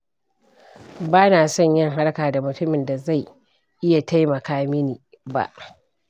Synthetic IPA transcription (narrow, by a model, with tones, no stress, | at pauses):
baː˦naː˨sɔ˦˨ɲjɪ˦ŋɦa˦ɽkaː˨da˨mʊ˨tʊ˦mɪ˨nda˨za˦˨j | ʔɪ˦ja˨ta˦jmɐ˨kaː˦mɪ˦niː˨ | ba̰˨ʔ